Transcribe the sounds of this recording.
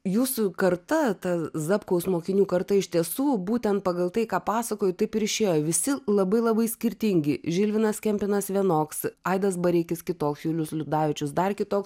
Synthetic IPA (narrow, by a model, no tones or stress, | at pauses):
juːsʊkɐrt̪ɐt̪ɐzɐpkɐʊsmoːkʲɪnʲuːkɐrt̪ɐɪʃt̪ʲiɛsuːbuːt̪ʲɛnt̪̚pɐɡɐlˠt̪ɐɪkɑːpɑːsɐkoːjʊt̪ɐɪpɪɾɪʃʲeːjoːʋʲɪsʲɪlˠɐbɐɪlˠɐbɐɪsʲkʲɪɾʲt̪ʲɪŋʲɡʲɪʒʲɪlʲʋʲɪnɐskʲɛmʲpʲɪnɐsʋʲiɛnoːksɐɪd̪ɐsbɐɾʲɪkʲɪskʲɪt̪oːksjuːlʲʊslʲʊd̪ɑːʋʲɪt͡ʃʲʊsd̪ɐrkʲɪt̪oːks